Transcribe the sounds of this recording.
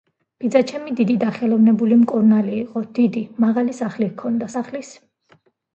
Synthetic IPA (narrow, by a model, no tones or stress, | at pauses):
b̥id̪zat͡ʃʰɛmid̪id̪id̪aχɛlˠɔvnɛbulimkʼuɾnaliːqʼɔd̪̥id̪imaʁalisaχlikʰɔnd̪asaχlis